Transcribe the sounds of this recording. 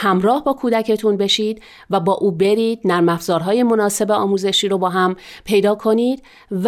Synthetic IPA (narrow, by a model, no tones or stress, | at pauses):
hæmɾɒːhbɒːkʰuːd̪æcʰe̞t̪ʰunbe̞ʃiːd̪ | væbɒːʔuːbe̞ɾiːd̪̚næɾmæfz̥ɒːɾɦɒːje̞mo̞nɒːse̞beɒːmuːze̞ʃiːɾo̞bɒːɦæmpʰe̞jd̪ɒːkʰo̞niːd̪̥ | v